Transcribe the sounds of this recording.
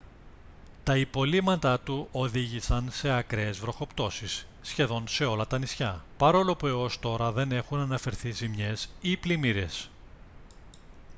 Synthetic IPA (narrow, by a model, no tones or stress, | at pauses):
t̪ɐipo̞limɐt̪ɐt̪uʔo̞ðiʝisɐnse̞ɐkɾeːzvɾo̞xo̞pt̪o̞sisːçe̞ðo̞nse̞o̞lɐt̪ɐnisçɐpɐɾo̞lo̞pue̞o̞st̪o̞ɾɐðe̞ne̞xunɐnɐfe̞ɾθizimɲe̞siplimiɾe̞s